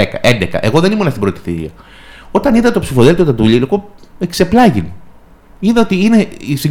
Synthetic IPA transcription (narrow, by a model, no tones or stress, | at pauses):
ekɐʔe̞nd̪ekɐ̰ʔe̞ɣo̞ðenimunɐst̪ibɾo̞t̪i̥θḭɾḭɐ̰ | o̞t̪ɐniðɐt̪o̞psifo̞ðelt̪ot̪ɐt̪uʎilikoekse̞plɐʝin | iðɐot̪iineisi